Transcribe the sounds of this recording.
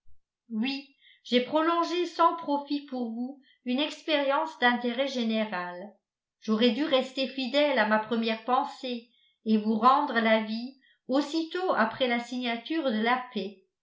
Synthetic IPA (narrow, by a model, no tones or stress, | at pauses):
wi | ʒepχɔlɔ̃ʒesɑ̃pχɔfipuʁvu | ynɛkspeʁjɑ̃sd̪ɛ̃t̪eʁɛʒeneʁal | ʒ̥oʁɛd̪yʁɛst̪efid̪ɛlamapχəmjɛʁpɑ̃se | evuʁɑ̃d̪ʁəlavi | osit̪oa̰pχɛlasiɲat̪yːʁd̪əlapɛ